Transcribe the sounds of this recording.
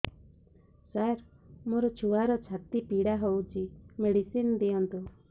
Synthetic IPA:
saɾ | muɾɔt͡ʃʰuaɾɔt͡ʃʰat̪ipiɽaɦowt͡ʃʰimeɽisind̪iɔnt̪u

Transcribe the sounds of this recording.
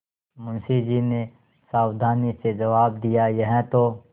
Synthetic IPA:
mʊnsid͡ʒiːne | saːwd̪ʱaːnised͡ʒɐʋaːb̚d̪ijajɐɦɛ̃t̪o

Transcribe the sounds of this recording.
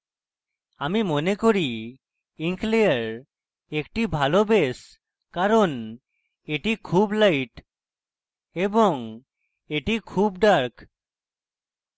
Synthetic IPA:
amimonekoɾi | iŋklejaɾ | ekʈibʱalobes | kaɾon | eʈikʰublajʈ | ebɔŋ | eʈikʰubɖaɾk

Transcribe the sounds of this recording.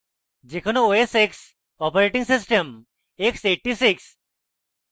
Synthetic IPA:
d͡ʒekʰɔnooeseks | ɔpɔɾeʈiŋsisʈem | ekseʈ̚ʈːisiks

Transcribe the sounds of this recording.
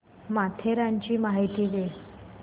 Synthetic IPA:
mat̪ʰeɾaɲt͡ɕiːmaɦijt̪iːd̪e

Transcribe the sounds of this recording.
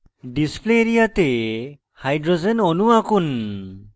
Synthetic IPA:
ɖispleɾijat̪e | hajɖɾozenɔnuakun

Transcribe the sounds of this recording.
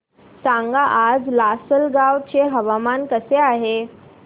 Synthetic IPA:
sãŋɡaʔad͡zlasəlɡaʋt͡ɕeɦəʋamankəseaɦe

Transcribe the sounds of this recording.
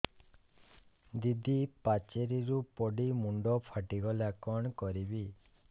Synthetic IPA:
d̪id̪ipat͡ʃeɾiɾupɔɖimuɳɖɔpʰaʈiɡɔlakɔɳkɔɾibi

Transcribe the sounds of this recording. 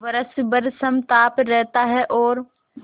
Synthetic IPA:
ʋɐɾəsbɐɾsɐmt̪aːpɾɛɦt̪aɦɛʔɔːɾ

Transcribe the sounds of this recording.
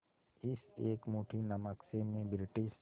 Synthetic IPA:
ɪseːkmuːʈʰinɐməksemnẽbɾɪʈɪʃ

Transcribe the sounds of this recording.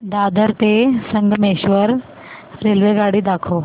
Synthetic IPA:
d̪ad̪əɾt̪esəŋɡmeɕʋəɾ | ɾelʋeɡaɽiːd̪akʰo

